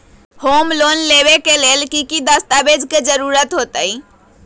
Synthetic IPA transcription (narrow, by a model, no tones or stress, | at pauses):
homlonleβekelelkikid̪əst̪abed͡ʒked͡ʒəɾuɾət̪ɦot̪əj